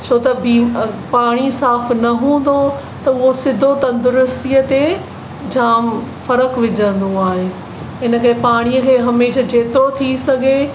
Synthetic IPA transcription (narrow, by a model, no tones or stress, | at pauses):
sʰoːt̪ɐbʱipaːɽ̃isaːfnɐɦũːn̆d̪o | t̪ɐʊɦosɪd̪ʱot̪ɐ̃nd̪ʊɾʊst̪ijət̪e | d͡ʑaːmfɐɾəkʋɪd͡ʑə̃nd̪oaːɦeː | ɦɪnəkɐɦepaːɽ̃iəkʰeːɦɐmeːʃad͡ʑeːt̪ot̪ʰisɐɡʱe